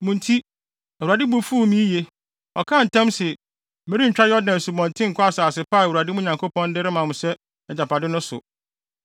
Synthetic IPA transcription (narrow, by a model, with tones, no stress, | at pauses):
mũ˨n̩˦tʰi˦ | ɛ˨a˨dɪ˦bu˦fu˦˨mĩ˦je˨ | ɔ̰˨kʰã˦˨n̩˨tʰã˦msɪ˨ | mẽ˦ɾi˦ɲ̩˨t͡ɕᶣɾa˦jɔ˦dnã˨su˨bɔ̃˨ntʰɪ̃˦ŋ̩˨kʰɔ˦a˦˨saː˨sɪ˨pʰa˦˨u˨a˨dɪ˦m˦ʊ̃˦ɲã˨ŋkʰo˦pʰɔ̃˦n˦dɪ˦ɾɪ˦mã˨mʊ̃˨sɛ˦ | ɛ˨d͡ʑa˨pʰa˨dɪ˦nʊ̃˦sʊ̰˨